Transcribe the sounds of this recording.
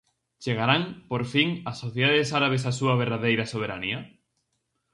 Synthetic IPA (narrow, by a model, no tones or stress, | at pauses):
t͡ʃeɣaɾaŋpoɾfiŋasːoθjeðaðesaɾaβ̞es̬asuaβ̞eɾðaðejɾasoβ̞eɾania